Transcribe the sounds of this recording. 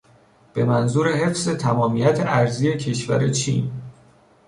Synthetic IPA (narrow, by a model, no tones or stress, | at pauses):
b̥e̞mænzuːɾe̞ɦe̞fze̞t̪ʰæmɒːmijæt̪ʰeʔæɾzije̞cʰe̞ʃvæ̰ɾe̞t͡ʃʰḭːn